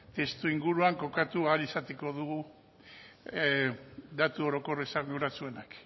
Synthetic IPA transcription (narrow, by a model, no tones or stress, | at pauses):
t̪e̞st̪uiŋɡuɾuaŋko̞kat̪ualisat̪eko̞ðuɣu | d̪at̪uo̞ɾo̞ko̞resaŋewɾat͡sue̞nak